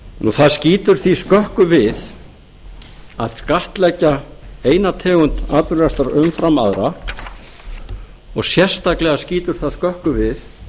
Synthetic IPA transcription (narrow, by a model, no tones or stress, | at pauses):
nuθaðsciːt̪ʏɾ̥θiskœhkʏvɪð | aðskaht̪lɛcːaeːjnat̪ʰɛːɣʏnt̪aːt̪ʏɾɛst̪aɾʏmfɾama̰ðɾa | ɔɣsjɛr̥st̪aklɛɣasciːt̪ʏɾ̥θaðskœhkʏvɪθ